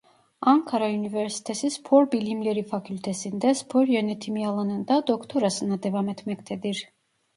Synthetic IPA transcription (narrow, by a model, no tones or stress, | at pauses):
aŋkʰaɾaunivɛɾsi̥t̪ʰɛsʰispʰɔɾbilimlɛɾifakʰylʲt̪ʰɛsind̪ɛspʰɔɾjɔnɛt̪ʰimijalˠanɯnd̪ad̪ɔkʰt̪ʰɔɾasɨnad̪ɛvamɛt̪ʰmɛkt̪ʰɛd̪iɾ